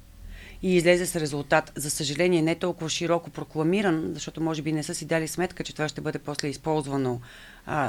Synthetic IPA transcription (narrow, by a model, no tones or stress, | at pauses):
iːzlɛzɛsɾɛzulˠt̪at̪zɐsəʒɐlɛniɛnɛt̪ɔlˠkʊvəʃiɾɔkopɾoklˠɐmiɾənzɐʃt̪ɔt̪omɔʒɛbinɛsɤsid̪alismɛt̪kət͡ʃɛt̪ovaʃt̪ɛbɤd̪ɛpɔslɛispɔlˠzvəno